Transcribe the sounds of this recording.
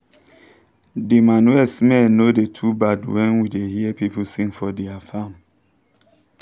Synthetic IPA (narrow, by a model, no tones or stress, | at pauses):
dimanwɛsmɛnodetʰubadwɛ̃nwidehiəpipusĩŋfɔdɛafam